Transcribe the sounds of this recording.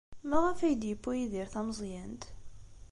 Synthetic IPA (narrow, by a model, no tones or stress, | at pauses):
mæʁæfæjəd̪jəpːujiðiɾθæmzˤjænt̪